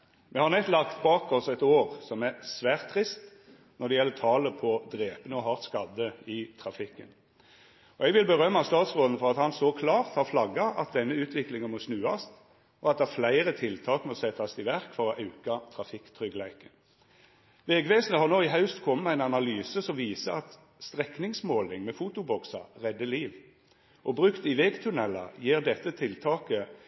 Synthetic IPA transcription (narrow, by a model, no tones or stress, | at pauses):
mʔɛhɑɾʁnɛt̪lɑkt̪bɑːkɔsɛt̪oːʁsɔmæɾsʋæːʁt̪ʰːʁɪst̪ | nɔɾd̪ɛjɛlːət̪ʰɑːləpʰɔd̪ɾeːpənəɔɦɑːʁt̪skɑd̪əɪt̪ʰʁɑfɪkːən | ɔɛɡʋɪlbəʁœmːɑst̪ɑːt̪sʁoːd̪n̩əfɔʁɑt̪hɑnsɔkʰlɑːʁt̪hɑʁflɑɡːɑɑ̰t̪̚d̪ɛnːəʉːt̪ʰʋɪklɪŋənmɔsnʉːɑst̪ | ɔɑt̪̚d̪ɛæɾflæɪʁət̪ʰɪlt̪ʰɑːkmɔsɛt̪ːɑst̪ɪʋæʁkfɔʁɔʔɑʉkɑt̪ʰʁɑfɪkt̪ʰʁʏɡlæɪkən | ʋɛɡʋeːsnəhɑʁnoːɪɦɑʉst̪kʰɔmːəmæɪnɑnɑlyːsəsɔmʋiːsəɑt̪ | st̪ʁɛknɪŋsmoːlɪŋmɛfut̪ʊbɔksɑ̰ʁɛd̪ːəliːʋ | ʔɔbʁʉkt̪ɪʋɛːɡt̪ʰʉnɛlɑ̰jiːʁd̪ɛt̪ːət̪ʰɪlt̪ʰɑːkə